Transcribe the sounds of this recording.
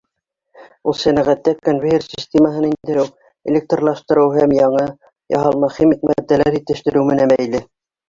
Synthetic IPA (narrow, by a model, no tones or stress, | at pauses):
ulˠsænæʁæt̪ːækonvʲiersʲisʲt̪ʲeməɦɤnind̪ɘ̆ɾɘw | ḛlʲek̚t̪rlˠɑʃt̪ɤ̆ɾɤwɦæmjɑɴɤ | jɑ̰ɦɑlˠmɑχimik̚mææd̪ːælæɾit̪ɘ̆ʃt̪ɘ̆ɾɘwmɘ̆nænbæjlɘ